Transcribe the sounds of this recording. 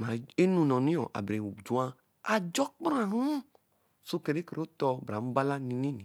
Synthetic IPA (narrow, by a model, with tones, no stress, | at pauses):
mã˨˦e˦nũ˧nɔ̃˨nĩ˦ɔ̰̃˨ʔa̰˨bɾe˨wu˨d͡ʒu˨˦a˦ | a˧d͡ʒɔ˦k͡pɾã˦˨ɾũ˦ | so˦ke˨˧ɾe˦ke˨ɾe˨˦o˦t̪ɔ˧bɾa˨˦m̩˦ba˦la˦nĩ˧nĩ˦nĩ˨